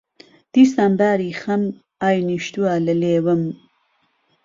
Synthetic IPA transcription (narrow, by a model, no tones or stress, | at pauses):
d̪̥isambaːɾixɐm | ajniʃt̪ualɐlewɐm